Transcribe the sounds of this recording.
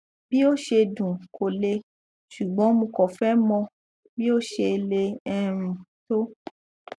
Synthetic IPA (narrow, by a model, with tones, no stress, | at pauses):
bi˦o˦ʃe˧dũ˨kʰo˨le˧ | ʃu˨ɡ͡bɔ̃˨˦mõ˧kɔ˨fɛ˦mɔ̃˧ | bi˦o˦˨ʃe˧le˧ɛ˧ɾ̃ũ˨to˦